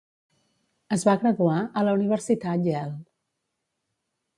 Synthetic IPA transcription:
əzβaɣɾəðuaʔələuniβ̞əɾsit̪at̪ʒɛl

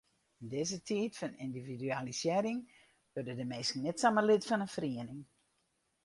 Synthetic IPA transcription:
əndɪzətʰitfənindividyalisjɪɾɪŋ | ʋørdədəmeːskŋ̩nɛtsaməlitfɔnənfriənɪŋ

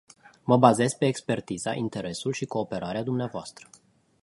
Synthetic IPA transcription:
məbaze̞zpe̞ːkspe̞rt̪izaʔint̪e̞ɾe̞sulʃiko̞ːpe̞ɾaɾead̪umneavoast̪ɾə̥

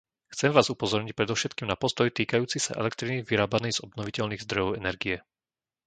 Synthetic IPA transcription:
xt͡sɛmʋaːzupɔzɔɾɲic̚pɾɛd̪ɔʊʃɛt̪̚kiːmnapɔst̪ɔjt̪iːkajuːt͡sisa̰ʔɛ̰lɛkt̪ɾiniʋiɾaːbanɛjz̥ɔbnɔʋicɛʎniːɣzd̪ɾɔjɔʊɛnɛɾɡijɛ

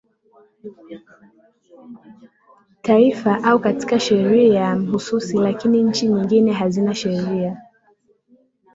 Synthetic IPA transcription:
taifaʔaukati̥kaʃɛɾiajam̩hususilakiniɲ̩t͡ʃiɲiŋɡinɛɦazinaʃɛɾia

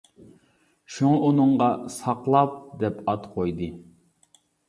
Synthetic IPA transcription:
ʃuŋɑʔunɨŋʁɑsɑqlˠɑp̚d̪ɛpɑt̪qʰojd̪ɨ

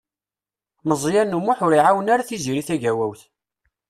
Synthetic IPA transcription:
məzˤjænːumʊħʊɾiʕawənaɾaθiziɾiθæʝæwæwθ

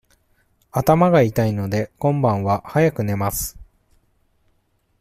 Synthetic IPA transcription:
at̪amaɡait̪aino̞d̪e̞kõ̞mbãɰ̃βahajakɯ̟ne̞masɨ̥

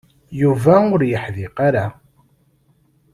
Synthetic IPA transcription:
juvæʊɾjəħðɪqaɾa

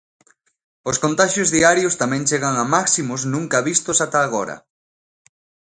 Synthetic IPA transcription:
oskont̪aʃjozðiaɾjost̪amɛ̃ŋt͡ʃeɣaŋamaksimosnũŋkaβist̪osat̪aːɣoɾɐ̰

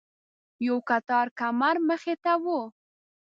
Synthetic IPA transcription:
jawkat̪ɑɾkamaɾməxet̪awo

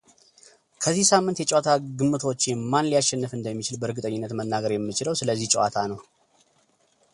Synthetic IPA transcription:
kʰəzːihsamːɨnt̪jɛt͡ʃʼɛat̪ʰaɡɨmːɨt̪ʰot͡ʃːmːanlijaʃːɛnːɨfɨnd̪əmːit͡ʃɪlbəɨɾɡɨt̪ʼəɲːɪnːət̪mənːaɡəɾjɛmːɨt͡ʃɪləwsɨləzːiht͡ʃʼɛwa̰t̪ʰanəw

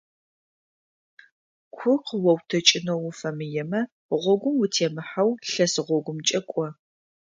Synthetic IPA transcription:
kʷʰʊqəwɔwtʰɐt͡ʃʼɪnowʊfɐmɨjɛmɐ | ʁʷɔɡʷʊmwʊtʰeːmɨħawɬɐsɨʁʷɔɡʷʊmt͡ʃʼɐkʷʼɔ

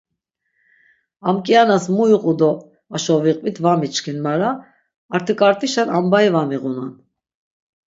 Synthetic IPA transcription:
amkʼianasmujuqʼud̪ɔ | aʃɔviqʼvit̪ʰvamit͡ʃkʰinmaɾaː | ɾt̪ʰəkʼaɾt̪ʼiʃanambaivamiɣunan

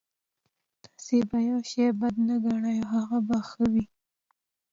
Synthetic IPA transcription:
t̪ḁsebajawʃejbad̪naɡaɳajoɦaɣabaxəwi

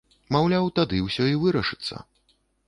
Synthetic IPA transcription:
mawlʲawt̪ad̪ɨwsʲɔivɨɾɐʂɨ̥t̪sːɐ̰

